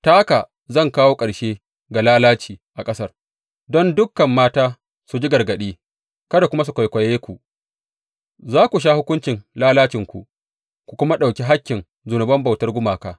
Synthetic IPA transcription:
taː˦ka˨ | zɐ˦˨ŋkaː˦woː˦kʼɐ˨ɽʃeː˦ | ɡa˨laː˦laː˦t͡ʃiː˨ʔa˨kʼɐ˦sɐ˦r | dɔ˦ndʊ˦kːɐ˨mːaː˦taː˦ | su˨d͡ʒi˦ɡɐ˨rɡɐ˨ɗiː˦ | kɐ˦da˨kʷʊ˦ma˦s̬u˨kʷa˨jkʷɐ˨jeː˦kʷu˨ʔ | zaː˦kʷu˨ʃ̬aː˦hʊ˦kʷʊ˦nt͡ʃɪ˨nlaː˦laː˦t͡ʃɪ˨ŋkʷṵ˨ʔ | kʷu˨kʷʊ˦ma˦ɗa˨wkʲi˦ɦa˦kʲːɪ˨n | zʊ˨nʊ˨bɐ˦mba˨wtɐ˦rɡʷʊ˦maː˨kaː˦

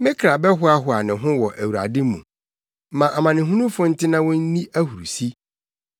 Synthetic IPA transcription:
mɪ̃˦kʰɾa˨bɛ˦ɦʊ˦a˦ɦʊ˨˦a˨nɪ̃˨ɦʊ̃˦wɔ˨ʔæ˨wu˨ɾa̰˨dɪ˦mṵ̃˨ | mã˨ʔa˨mã˨nɪ̃˨ɦũ˦nũ˦fʊ̃˦n̩˦tʰɪ˦nã˦wɔ̃˦n̩˦nĩ˦ʔæ˦hu˨ɾu˨si˦

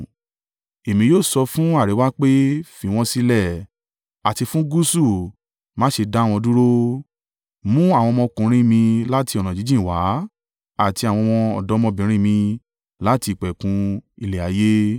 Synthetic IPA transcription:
e˨mĩ˧joː˦˨sɔ˧fũ˦a˦˨ɾe˨˦wa˦k͡pe˦fi˨˧˦w̃ɔ̃˧si˧˦lɛ˦˨ | a˨ti˧fũ˦ɡu˦su˦˨ | mãː˨˦ʃe˧da˦˨w̃ɔ̃˧du˦ɾo˦ | mũ˦a˦˨w̃ɔ̃˧mɔ̃˧kũ˨˦ɾ̃ĩ˦mĩ˧la˦ti˧ɔ˨nã˨d͡ʒi˨˦d͡ʒĩ˦˨wa˨˦ | a˦˨ti˧a˨wɔ̃˧w̃ɔ̃˧ɔ˨dɔ˨˦mɔ̃˧bĩ˨˦ɾ̃ĩ˦mĩ˧ | la˦ti˧˨k͡pɛ˨kũ˧i˧le˨a˨˦je˦

